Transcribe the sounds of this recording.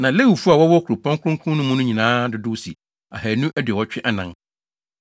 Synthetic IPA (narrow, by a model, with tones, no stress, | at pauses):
nã˨le˦wu˨fu˦a˨wɔ˦wɔ˦kʰu˨ɾʊ˨pʰɔ̃˦ŋkʰʊ̃˦ŋ˦kʰʊ̃˦nʊ̃˦mũ˦nʊ̃˦ɲĩ˨nãː˦dʊ˦dʊ˦sḭ˨ | a̰˨hæ˨nũ˦ʔæ˦dɪ˨ɔ˦t͡ɕᶣɪ˦ʔa˨nã˨ŋ